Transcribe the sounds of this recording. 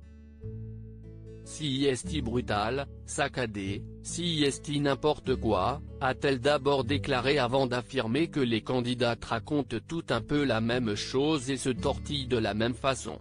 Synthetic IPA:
siɛst̪ibʁyt̪alsakad̪esiiɛst̪inɛ̃pɔʁt̪əkwaat̪ɛld̪abɔʁd̪eklaʁeavɑ̃d̪afiʁmekəlekɑ̃d̪id̪at̪ʁakɔ̃t̪ːut̪ɛ̃pølamɛmʃozesət̪ɔʁt̪ijd̪əlamɛmfasɔ̰̃

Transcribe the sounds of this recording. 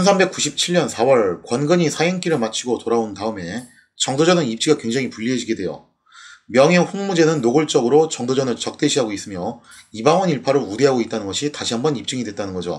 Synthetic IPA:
t͡ɕʰʌnsʰambe̞k͈uɕʰip̚t͡ɕʰiɭɲʌnsʰawʌɭkwʌnɡɯɲisʰajiŋk͈iɾɯɭmat͡ɕʰiɡotoɾaontaɯme̞ | t͡ɕʌŋdod͡ʑʌnɯnip̚t͡ɕ͈iɡakwe̞ŋd͡ʑeŋipuʎːiɦed͡ʑiɡe̞dwejo̰ | mjʌŋɦeɸoŋmud͡ʑe̞nɯnːoɡɯɭt͡ɕ͈ʌɡɯɾot͡ɕʌŋdod͡ʑʌnɯɭt͡ɕʌk̚t͈e̞ɕʰiɦaɡois͈ɯmjʌ | ibaŋwʌniɭpʰaɾoudeɦaɡoit̚t͈anɯnɡʌɕʰitaɕʰiɦambʌnip̚t͡ɕ͈ɯŋidwet̚t͈anɯnɡʌd͡ʑo̰

